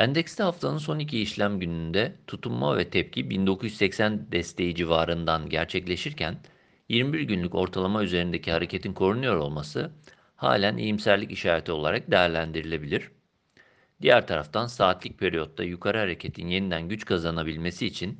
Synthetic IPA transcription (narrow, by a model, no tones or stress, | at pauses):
ænd̪ɛcst̪ʰɛhaft̪ʰanɯnso̞nicʰiːʃlʲæmɟynynd̪ɛt̪ʰut̪ʰumma̰vɛt̪ʰɛp̚cʰibind̪o̞kʰujy̥ssɛcsænd̪ɛst̪ʰe̞jid͡ʒivaːɾɯnd̪anɟæɾt͡ʃʰɛclʲe̞ʃiɾcʰæn | jiɾmibiɾɟynlʲyco̞ɾt̪ʰalˠamayze̞ɾind̪ecʰihaɾecʰe̞t̪ʰinkʰo̞ɾunujo̞ɾo̞̰lˠmasɯ | ha̰ːlʲænʔḛjimsælʲiciʃaːɾet̪ʰio̞lˠa̰ɾak̚d̪ejæɾlʲænd̪iɾilʲe̞bilʲiɾ̥ | d̪̥ijæɾt̪ʰaɾaft̪ʰansaːt̪ʰlʲic̚pʰe̞ɾijo̞t̪ːa̰jukʰaɾɯhaɾe̞cʰe̞t̪ʰinje̞nid̪ænɟyt͡ʃkʰazanabilʲme̞siːt͡ʃʰin